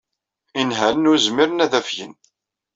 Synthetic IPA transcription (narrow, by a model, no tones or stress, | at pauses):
inɦæɾənʊɾzmiɾənæðæfjə̰n